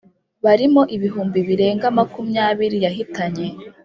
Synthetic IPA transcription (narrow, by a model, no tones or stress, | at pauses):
βaɾimo̞ʔiβiɦuːmbiβiɾe̞ːŋɡamakumjaːβiɾijaɦitaɲe̞